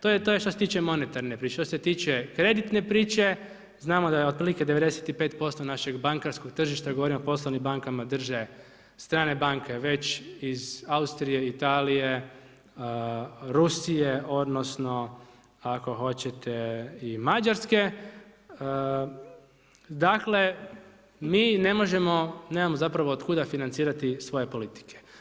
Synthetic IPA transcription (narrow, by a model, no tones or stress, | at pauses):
t̪ojet̪ojeʃt̪oset̪iːt͡ʃe̞mo̞ne̞t̪aɾnepɾiːt͡ʃeʃt̪oset̪iːt͡ʃekɾe̞d̪it̪ne̞pɾiːt͡ʃe̞ | znaːmo̞d̪ajeod̪̚pɾiːlike̞d̪eʋe̞d̪eset̪ipe̞ːt̪po̞st̪o̞naʃe̞ɡbaŋkaɾsko̞ɡ̚t̪r̩ʒiʃt̪aɡo̞ʋo̞ɾimopo̞slˠoʋnimbaŋkamad̪r̩ʒe̞ | st̪ɾaːne̞baŋke̞ʋe̞t͡ɕizaust̪ɾije̞it̪aːlije̞ | ɾusijeʔo̞d̪no̞sno̞ | ako̞xo̞t͡ɕet̪ʰeimad͡ʑaɾske̞ | d̪akle̞ | miːne̞mo̞ʒe̞mo̞neːmamozapɾaʋoːd̪kud̪afinant̪siːɾat̪isʋo̞je̞po̞lit̪i̥kʰe̥